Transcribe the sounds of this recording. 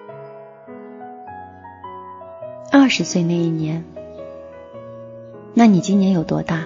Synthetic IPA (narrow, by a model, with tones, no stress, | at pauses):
ɐ˞˥˩ʂɻ̩˧˥swe˥˧ɪna˥˧ɪi˥˩njɛ˧˥n | na˥˩ni˨˩t͡ɕi˥ŋnjɛ˧˥njo˨˩ʊt̪wɔ̰˥t̪a˥˩